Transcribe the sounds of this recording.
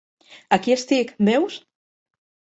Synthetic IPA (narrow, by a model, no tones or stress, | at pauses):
akiest̪ikbews